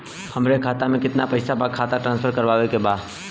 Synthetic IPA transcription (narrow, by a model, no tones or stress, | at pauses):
hɐmɾekʰaːt̪amẽkɪt̪napɐɪsabakʰaːt̪aʈɾãːnspʰəɾkɐɾʋaːʋekebaːd̪